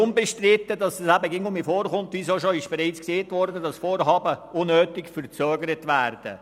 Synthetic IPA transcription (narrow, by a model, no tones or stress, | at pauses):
ʊnbɛʃtɾɪt̪ːədɑsɑsæbəɡɪŋʊmifoːɾχʊnt̪ʋisoʃoɪʃb̥eɾiɪt͡skseːtʋɔɾdədɑsfoːɾɦɑːbəʊnːøːtɪkfəɾt͡søːɡəɾətʋæːɾd̥ə̰